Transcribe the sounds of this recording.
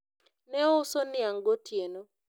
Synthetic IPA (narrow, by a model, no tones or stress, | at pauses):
nɛɔʊsonɪaŋɡotʰjeno